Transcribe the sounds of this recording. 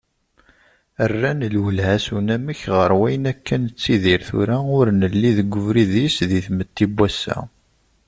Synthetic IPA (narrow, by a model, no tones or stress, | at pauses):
ərːænəlwəlhæsunæmiçʁəɾwæjənækʰːənət͡sːiðiɾθṵɾaʊɾnəlːiðəɡʷːʊvɾiðisðiθmət̪ːibːæsːæ̰